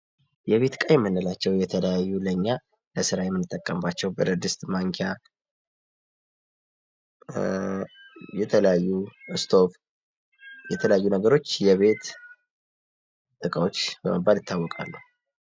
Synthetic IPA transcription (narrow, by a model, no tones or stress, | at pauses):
jɛβe̞t̪kʼajɛmːɨnːəlat͡ʃːɛwjɛt̪ʰələjajːuləɲːa | ləsɨɾajɛmːɨnɨt̪ʼːəkʼːəmbat͡ʃːɛwbəɾəd̪ɨst̪maŋkʰa | jɛt̪ʰələjajːuɨst̪ʰo̞f | jɛt̪ʰələjajːunəɡəɾo̞t͡ʃːjɛβe̞t̪ | t̪ʼɨkʼəwot͡ʃːbəməbːalɪt̪ːawːɔkʼa̰lːəhu